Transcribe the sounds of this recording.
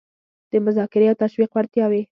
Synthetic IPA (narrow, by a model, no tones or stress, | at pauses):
d̪̥əmʊzɑkɪɾeawt̪aʃwiqwaɾt̪jɑwe